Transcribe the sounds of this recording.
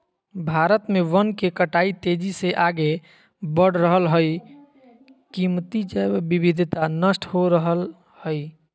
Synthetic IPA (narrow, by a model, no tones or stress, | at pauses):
bʱaɾət̪meʋənkekəʈait̪ed͡ʒiseʔaɡe | bəɽ̤ɾəɦəlɦəj | kimt̪id͡ʒabibid̪ʱt̪anəsʈhoɾəɦəl | həj